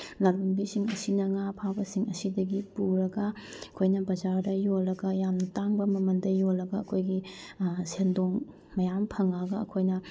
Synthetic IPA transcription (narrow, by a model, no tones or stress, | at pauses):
lalbɐmbisiŋɐsinɐŋapʰabɐsiŋɐsidɐɡipuɾɐɡɐɐkʰojnɐbɐd͡ʒaɾdɐjolːɐɡɐjamnɐtaŋbɐmɐmɐndɐjolːɐɡɐːkʰojɡisendoŋ | mɐjampʰɐŋaɡɐɐ̰kʰojnɐ